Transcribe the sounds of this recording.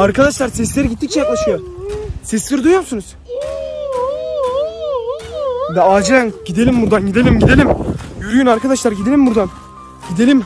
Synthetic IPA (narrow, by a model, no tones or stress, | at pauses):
aɾkʰad̪aʃlˠaɾsɛslʲeɾiɟit̪ːic̚t͡ʃʰɛjaklˠaʃɯjosɛslʲeɾid̪ujomsunuz̥ | d̪ɛaːd͡ʒiɾænɟid̪e̞lʲimbuɾd̪anɟid̪e̞lʲimɟid̪e̞lʲimjyɾyjynaɾkad̪aʃlˠaɾɟid̪e̞lʲimbuɾd̪an | ɟid̪e̞lʲim